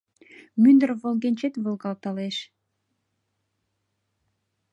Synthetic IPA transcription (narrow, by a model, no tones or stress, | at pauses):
mynd̪ərvolˠɡenʲt͡ɕet̪volˠɡɑlt̪ɑleʃ